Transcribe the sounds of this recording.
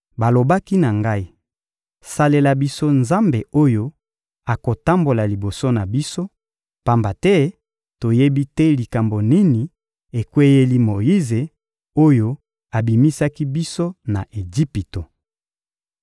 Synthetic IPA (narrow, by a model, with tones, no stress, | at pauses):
ba˨lo˨ba˦ki˦na˨ŋɡa˦i˦ | sa˨le˨la˨bi˦so˦nza˦mbe˨o˦jo˦ | a˨ko˨ta˦mbo˨la˨li˨bo˨so˦na˨bi˦so˦ | pa˦mba˨tɛ˦ | to˨je˦bi˦tɛ˦li˨ka˨mbo˨ni˦ni˨ | e˨kwe˦je˦li˦mo˨ji˦ze˨ | o˦jo˦ | a˨bi˨mi˦sa˦ki˦bi˦so˦na̰˨ʔe˨d͡ʒi˦pi˨to˨